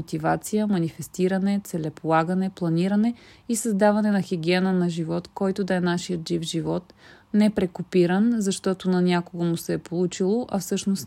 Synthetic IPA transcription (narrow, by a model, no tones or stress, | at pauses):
ot̪ivat̪sijəmɐnifɛst̪iɾənɛt̪sɛlɛpolˠaɡənɛplˠɐniɾənɛisɐzd̪avɐnɛnɐxiɡʲiɛnənɐʒivɔt̪kɔjt̪ʊd̪ɐɛnaʃiət̪ʒivʒivɔt̪nɛpɾɛkopiɾənzɐʃt̪ɔt̪ʊnɐnʲakʊɡəmusɛːpolˠut͡ʃilˠoʔɐfsɤʃnost̪